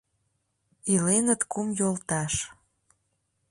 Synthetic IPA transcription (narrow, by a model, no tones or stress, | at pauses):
ilenət̪kumjolt̪ɑʃ